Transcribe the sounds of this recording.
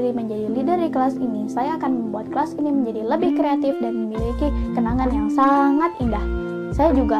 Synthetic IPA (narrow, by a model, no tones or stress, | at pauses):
ɾiməɲd͡ʒadilidərikəlasinisajaːkanməmbuat̪̚kəlasiniməɲd͡ʒadiləbɪhkɾeat̪ɪfdanməmilikikənaŋanjaŋsaŋat̪̚indah | sajad͡ʒuɡa